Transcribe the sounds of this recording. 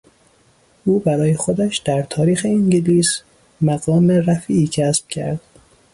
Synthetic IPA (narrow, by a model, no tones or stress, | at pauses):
ʔuːbæɾɒːjexo̞d̪æʃd̪̥æɾt̪ʰɒːɾiːxe̞iŋɟeliːs | mæɣɒːmeræfiːʔiːcʰæsb̥̚cʰæ̰ɾd̪̥